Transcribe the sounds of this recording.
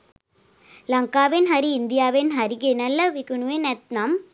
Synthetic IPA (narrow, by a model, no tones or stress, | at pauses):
lɐŋkaːʋenɦɐɾiːnd̪ɪjaːʋenɦɐɾiɡenɐlːɐʋikɯɳuʋenɛt̪̚naːm